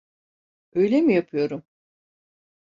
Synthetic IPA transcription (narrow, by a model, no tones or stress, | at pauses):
ø̞jlʲemijapʰɯjo̞ɾum